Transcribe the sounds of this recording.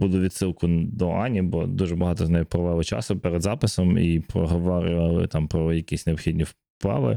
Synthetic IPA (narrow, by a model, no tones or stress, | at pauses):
b̥ud̪ˠʊʋʲid̪ʲsɪlˠkʊd̪ɔʔɑnʲibɔd̪uʒɛbɐɦɑt̪ɔznɛjʊpɾɔʋɛʋʊt͡ʃɑ̰sʊpeɾɛd̪zɑpɪsɔmipɾɔɦɔʋɔɾʲʊʋɐlˠɪ̰t̪ɑmpɾɔjɐkʲisʲneɔpxʲid̪ʲnʲiw | plˠɑ̰ʋɪ̰